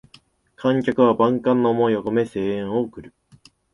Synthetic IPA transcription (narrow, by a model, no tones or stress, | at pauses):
kʰãŋkʲakɯ̟βabãŋkãnːomo̞joko̞me̞se̞ːẽɰ̃ookɯ̟ɾɯ̟